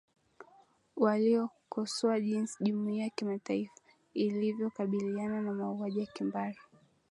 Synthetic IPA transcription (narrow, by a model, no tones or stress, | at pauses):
waliɔkɔsɔaʄinsiʄumuiːjakimataifḁ | ilivjɔkaɓiliananamauaʄijakimbaɾi